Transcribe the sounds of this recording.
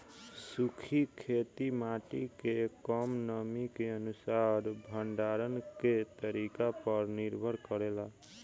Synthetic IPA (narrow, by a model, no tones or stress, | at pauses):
sukʰikʰet̪imaʈikekɔmnəmikeənusaɾbʱəɳɖaɾənket̪əɾikapəɾniɾbʱəɾkəɾela